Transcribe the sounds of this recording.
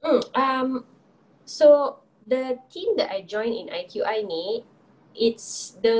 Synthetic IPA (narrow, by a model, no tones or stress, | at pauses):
m̩ʔam | so | dətʰĩmdɛtajd͡ʒɔ̃ɪ̃nḭ̃na̰jkʰjuʔaɪnet̚ | ɪtsd̪ə